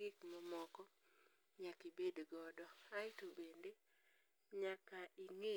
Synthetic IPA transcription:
ɪkmɔmɔkɔ | ɲakibedɡɔdɔaɪtobende | ɲakaʔiŋe

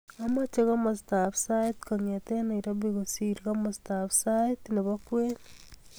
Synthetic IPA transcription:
amat͡ʃeɣamastafsaitkaŋetenaiɾaβiɣosiɾiɣamastafsatneβakwen

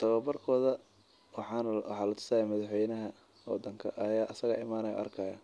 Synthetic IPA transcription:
t̪ʰɐwɐbɐrkʰɔːðɐ | wħɑnwɑ̰ħɑːlɐt̪ʰʊ̥saːjaːmɐðɑħwɛjnɐɦɐ | wɔ̰d̪ɐŋkʰɐ̰ʔɐjaːʔɐsɐɣɐ̰ːʔɪmaːnɐjɐ̰ʔɐ̰rkʰɐjɐ̰

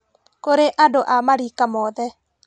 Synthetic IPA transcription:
koɾeʔadoʔamaɾikamɔðɛ

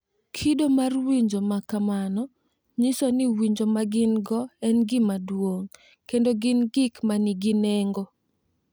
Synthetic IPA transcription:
kʰidomarwiɲd͡ʒomakamanɔ | ɲisonɪwiɲd͡ʒomaɡɪnɡɔɛnɡɪmadwoŋ | kendoɡɪnɡɪkmanɪɡɪneŋɡo

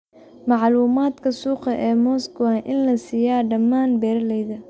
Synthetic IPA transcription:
mɑʕluːmaːd̪kʰɐsuːqɐʔɛːmɔːskʊaʔɪnlɐsijaːɖɐmaːnbɛːrlɛjðɐ

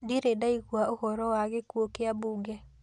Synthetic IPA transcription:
diɾedaiɣwaoɣɔɾɔwaɣekwokeabuːɡɛ

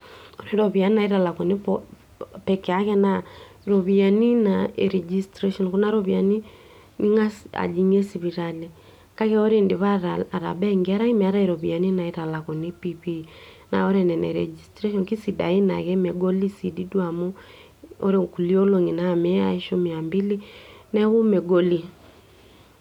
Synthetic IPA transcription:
ɔɾeɾɔβianinaiɾalakɔnepɔ | pɛkɛakɛna | ɾɔβianinaeɾɛd͡ʒistɾɛʃɔnkɔnaɾɔβiani | niŋasa̰d͡ʒiɲɛsiβiɾalɛ | kakɛɔɾendeβaɾaːɾa̰bɛŋɡiaɾaimɛaɾaeɾɔβianinaeɾalakɔnipipi | na̰ɔɾɛnɛnɛ̰ɾɛ̰d͡ʒistɾɛʃɔnkisida̰ina̰ɣɛmɛɡɔlisididwamu | o̰ɾekulioloŋinamɛa̰iʃomiambilinɛɣumɛɡɔli

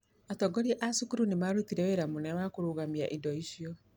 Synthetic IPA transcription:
atɔɡɔɾiʔasukuɾunemaɾutiɾɛweɾamunɛwakuɾuɣamiaʔidɔiʃjɔ

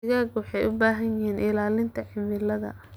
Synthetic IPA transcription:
ɪɣaːɡwɑħɑjʊbaːɦɐjjɪhiːnʔɪlaːlɪnt̪ʰɐħɪmɪlɐðɐ̰

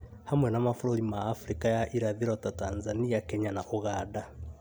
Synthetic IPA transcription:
hamwɛnamafuɾoɾimaːfuɾikajaʔiɾaðiɾɔtatanzaniakeɲanaʔuɣaːda

